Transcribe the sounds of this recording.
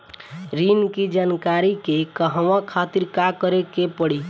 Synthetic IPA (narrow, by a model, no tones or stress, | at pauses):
ɾinkid͡ʒankaɾikekəɦəʋãkʰat̪iɾkakəɾekepəɽi